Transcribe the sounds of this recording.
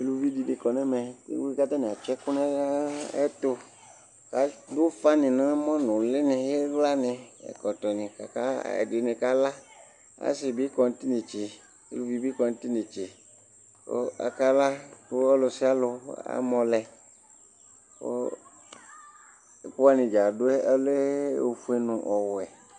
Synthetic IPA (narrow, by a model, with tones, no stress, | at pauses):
e˨˦lu˨vi˦di˨dɪ˨kɔ˨nɛ̃˦mɛ̃˨ḛ˦wi˦ka˦t̪a˦nɪ̃˨a˨t͡ʃɛ˦kʊ˦nɛ̃˦ɛ̰˦t̪o˦ | ka˨˦do˦fa˦nɪ̃˨nã˦mɔ̃˦nʊ̃˨lɪ˦nɪ˨ɣe˦ɣla˦nɪ̃˨ɛ̰˨kɔ˨t̪ɔ˨nɪ̃˨ka˨ka˦ɛ̰˨de˨nɪ̃˨ka˦la˦ | a̰˦sɪ˨bi˦kɔ˨n˨˦t̪i˦ne˨t͡ʃi˨ | ḛ˦lu˦vi˨bi˦kɔ˨n˦t̪i˦nẽ˨t͡ʃi˨ | o̰˦a̰˨ka˦la˦to˦ɔ˦lo˨si˦a˦lo˨a̰˦mɔ̃˨lɛ˨ | o̰˦˨ | k͡pu˦a˦nĩ˨d͡ʒa˨do˦ɛ˦e˦le˦wo˨fu˦e˦nũ˨ʔɔ˨wɛ˨